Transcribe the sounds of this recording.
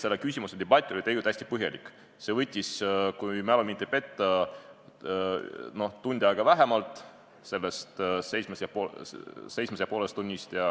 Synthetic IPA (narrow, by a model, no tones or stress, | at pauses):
se̞lːekysʲimused̪ebɑt̪ʲːˑo̞lit̪ejɡut̪æsʲt̪ipɤɦjɑlikːˑ | se̞vɤt̪ʲːiskujmælɑmint̪ːepe̞t̪ːˑɑ | no̞ht̪unʲd̪̥ʲiɑjɡ̥ɑvæɦemɑlt̪ˑ | se̞lːest̪se̞jsmesjɑpose̞jsmesjɑpolest̪unʲːist̪jɑ